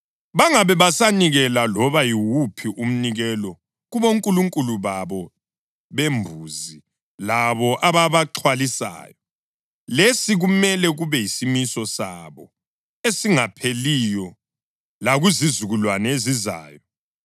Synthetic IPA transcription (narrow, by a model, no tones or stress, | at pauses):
βaŋaβɛβasaniɣɛlalɔβajiwupʰiʔum̩niɣɛlɔ | ɣuβoŋkʼuluŋkʼuluβaβɔ | βembʱuːzi | laβɔʔaβaβaǁʰwalisa̰ːjɔ | lesiɣumɛlɛɣuβɛisimisɔsa̰βɔ | esiŋapʰelijɔ | laɣuzizuɣulwaneziza̰ːjɔ